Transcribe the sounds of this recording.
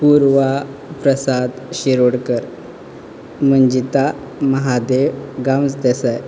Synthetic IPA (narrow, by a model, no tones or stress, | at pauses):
puɾʋapɾəsad̪ɕiɾoɽkəɾ | m̤əɳd͡ʑit̪a | məɦad̪eʋɡamsd̪əsaj